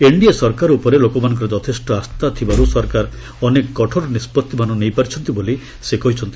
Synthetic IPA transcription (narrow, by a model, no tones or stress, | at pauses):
eɳɖiesɔɾkaɾupɔɾelokɔmanɔ̃ŋk̬ɔɾad͡ʒɔt̪ʰesʈɔast̪at̪ʰibaɾusɔɾkaɾ | ɔnekːɔʈʰɔɾɔnispɔt̪ːimanɔnejpaɾit͡ʃʰɔnt̪iboli | sekɔɦjt͡ʃʰɔnt̪i̥